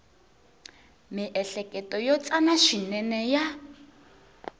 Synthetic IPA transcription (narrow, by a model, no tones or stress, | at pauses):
miʔɛɬɛkɛtʼɔjɔt͡sʼanaʃinɛnɛja